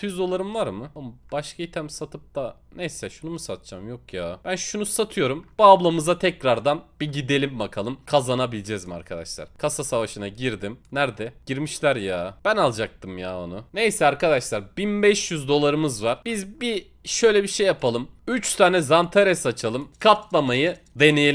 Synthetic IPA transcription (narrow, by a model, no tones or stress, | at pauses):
yzd̪o̞lˠaɾɯmvaɾmɯamb̥aʃkʰait̪ʰæmsat̪ʰɯp̚d̪anejsɛʃunumusat̪̚d͡ʒamjo̞kjaːb̥ænʃunusat̪ʰɯjo̞ɾumbuablˠamɯzat̪ʰɛcɾaɾd̪anb̥iɟid̪e̞lʲimbakʰalˠɯmkʰazanabilʲd͡ʒɛzmia̰ɾkʰad̪a̰ʃlˠa̰ɾ̥kʰasasavaʃɯnaɟiɾd̪imnæɾd̪ɛɟ̥iɾmiʃlʲæɾjaːb̥ænalˠd͡ʒak̚t̪ʰɯmjaːonune̞jsɛaɾkad̪aʃlˠaɾbinbɛʃjyzd̪o̞lˠaɾɯmɯzvaɾb̥izbi | ʃø̞jlʲɛbiʃejːapʰalˠɯmyt͡ʃt̪ʰaːnɛzant̪ʰaɾɛsat͡ʃʰalˠɯmkʰat̪lˠamajɯ | d̪e̞ne̞jelʲim